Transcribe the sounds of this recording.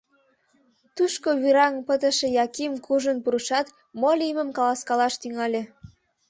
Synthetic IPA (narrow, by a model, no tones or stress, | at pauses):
t̪uʃkoβyɾɑŋpət̪ə̆ʃĕjɑkimkʰuʒənpuɾuʃɑt̪ | molʲiməmkɑlɑskɑlɑʃt̪yŋɑlʲĕ